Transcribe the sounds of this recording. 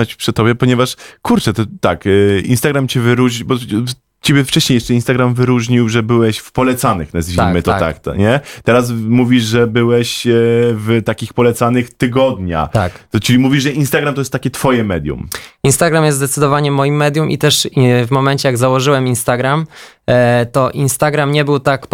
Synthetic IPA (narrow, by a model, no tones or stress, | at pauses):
at͡ɕpʂɨt̪ɔbʲjɛpɔɲɛvaʂkuɾt͡ʂɛt̪ɔt̪akḭnst̪aɡɾamt͡ɕɛvɘɾuʐɲibɔ | t͡ɕebʲjɛft͡ʂɛɕɲejɛʂt͡ʂɛinst̪aɡɾamvɘɾuʐɲiwʐɛbɘwɛɕfpɔlɛt̪sanɘxnazʒimɘt̪ɔt̪a̰kt̪ɲɛt̪ɛɾas̬muvʲiʐʐɛbɘwɛɕvt̪akʲixpɔlɛt̪sanɘxt̪ɘɡɔd̪ɲa̰a̰kt͡ʂɘlʲimuvʲiʐʐɛʔinst̪aɡɾamt̪ɔjɛst̪ːakʲɛt̪fɔjɛmɛd̪ʲjṵminst̪aɡɾamjɛsd̪ɛt̪sɘd̪ɔvaɲɛmɔjimːɛd̪ʲjumʔḭt̪ɛʂvmɔmɛɲt͡ɕɛjaɡzawɔʐɘwɛminst̪aɡɾam | t̪ɔʔinst̪aɡɾamɲɛbɘwt̪ak